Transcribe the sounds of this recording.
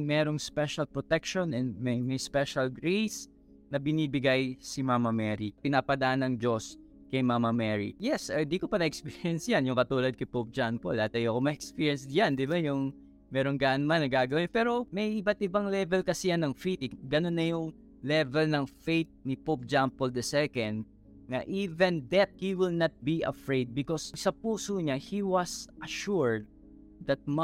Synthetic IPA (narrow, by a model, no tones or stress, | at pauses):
ŋmɛːɾo̞ŋspɛʃɐlpɹot̪ɛkʃonɛnmɐjmɐjspɛʃɐlɡɹejs | nɐbɪniːbɪɡajsɪmamɐmɛɾipɪnaːpɐd̪ɐʔanɐŋd͡ʒo̞s | kɐjmamɐmɛɹḭjɛsɐd̪iːkopɐnɐʔɛkspiːɹjɛnsjanjʊŋkɐt̪uːlɐd̪̚kɐjpop̚d͡ʒanpolɐhat̪ɐjoɐkomɐʔɛkspiɹjɛnsjand̪ɪbajʊŋ | mɛːɾoŋɡaʔnmanɐɡaːɡɐwpɛːɾo̞mɐjʔɪbɐt̪ʔɪbaŋlɛvɛlkɐsɛjanːɐŋfet̪ɪɡɐnonːɐjʊŋ | lɛvɛlnɐŋfejt̪̚nɪpop̚d͡ʒampold̪ɐsɛkɐnd̪̚ | ŋɐ̰ʔiːvɛnðɛt̪̚hiwɪlnɐt̪̚biʔɐ̰fɹejd̪̚bɪkossɐpuːsoɲahiwɐsʔɐʃuɹd̪̚ː | ɐt̪̚m